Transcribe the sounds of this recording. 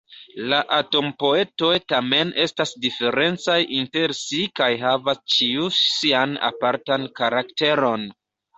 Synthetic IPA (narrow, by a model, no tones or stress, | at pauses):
laʔato̞mpo̞e̞to̞jtame̞nʔe̞stasdife̞ɾe̞nt͡sajʔinte̞ɾsikajɦavast͡ʃiusiana̰paɾtankaɾakte̞ɾo̞n